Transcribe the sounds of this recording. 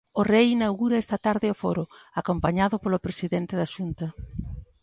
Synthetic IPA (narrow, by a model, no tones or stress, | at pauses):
orejinawɣuɾɐɛst̪ɐt̪aɾðɪofoɾoakompaɲaðʊpolʊpɾesiðent̪ɪðaʃunt̪ɐ